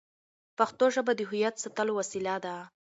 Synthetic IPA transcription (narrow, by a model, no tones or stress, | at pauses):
paxt̪oʒəbad̪əɦʊjat̪sat̪əlowasilad̪a